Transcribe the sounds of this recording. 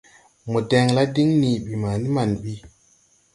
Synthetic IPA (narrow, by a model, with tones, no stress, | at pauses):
mo˨de˨ŋla˦di˦ŋni˨ɓi˨ma˨ni˦ma˨nɓi˦